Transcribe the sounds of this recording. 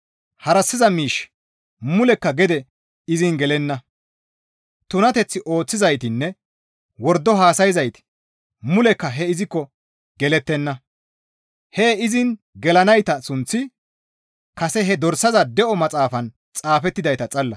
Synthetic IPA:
hɐɾɐsːɪzɐmiːʃ | mʊlɛkːɐɡɛd̪ɛ | ɪzɪnɡɛlɛnːɐ | t̪ʊnɐt̪ɛt͡sːɪʔo̞ːt͡sːɪzɐjt̪ɪnːɛ | wɔɾd̪ːɔɦaːsɐjɪzɐjt̪ɪ̥ | mʊlɛkːɐɦɛɪzɪkːɔ | ɡɛlɛt̪ːɛnːɐ | hɛɪzɪn | ɡɛlɐnɐjt̪ɐsʊnt͡sːɪ | kɐsɛɦɛd̪ɔɾsɐzɐd̪ɛʔɔmɐt͡sʼaːfɐn | t͡sʼaːfɛt̪ːɪd̪ɐjt̪ɐt͡sʼɐlːɐ

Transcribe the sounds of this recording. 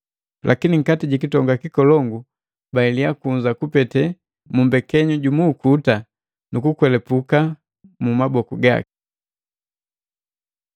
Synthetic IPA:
lʔakiniŋ̩katiɟikitɔŋɡakikɔlɔŋɡu | bailijakuɲzakupɛtɛ | mumbɛkɛɲuɟumuːkuta | nukukwɛlɛpuka | mumabɔkuɡa̰ki̥

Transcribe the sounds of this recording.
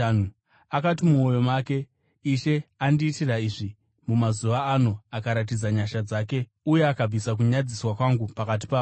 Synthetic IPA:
nu | akatimuo̞jo̞maːke̞ | iʃe̞andiːtiraiʐi | mumazuʋaːno̞akaɾat̬id͡zaɲaʃad͡zaːke̞ | uje̞akab͡visak̬uɲad͡ziswakwaŋɡupakat̬i̥paːu

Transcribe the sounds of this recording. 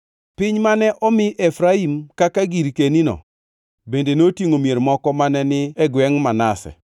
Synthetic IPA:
pɪɲmanɛʔɔmɪʔɛfɾaimkakaɡiɾkeninɔ̰ | bendenotjiŋomjeɾmɔkɔmanɛnɪɛɡwɛŋmanasɛ̰

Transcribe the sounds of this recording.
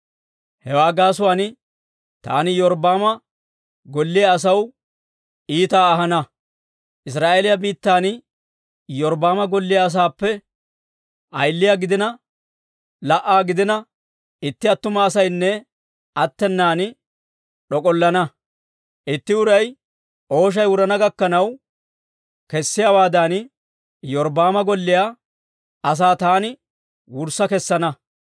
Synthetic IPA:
hɛwaːɡaːsʊwaːnɪ | t̪a̰ːnɪjɔɾbaːmɐ | ɡɔlːɪjɐːs̬ɐw | iːt̪aːɐɦɐnɐ | ʔɪs̬ɾaːʔeːlɪjɐbiːt̪ːaːnɪ | jɔɾbaːmɐɡɔlːɪjɐːs̬aːpːɛ | ʔɐjlːɪjaɡɪd̪ɪnɐ | lɐʔaːɡɪd̪ɪnɐ | ɪt̪ːɪɐt̪ːʊmɐːsɐjnːɛ | ɐt̪ːɛnːaːn | ɗɔkʼɔlːɐnɐ | ʔɪt̪ːɪʊɾɐj | ʔo̞ːʃ̬ɐjwʊɾɐnɐɡɐkːɐnɐw | kɛsːɪjaːwaːd̪ɐn | jɔɾbaːmɐɡɔlːɪjaː | ɐs̬aːt̪aːnɪ | wʊɾsːɐkɛsːɐnɐ

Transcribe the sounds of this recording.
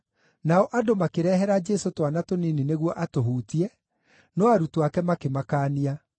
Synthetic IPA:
naɔʔadomakeɾɛːɦɛɾad͡ʒɛsotwanatoninineɣwɔʔatoɦuːtiɛ | nɔaɾutuakɛmakemakaːnia

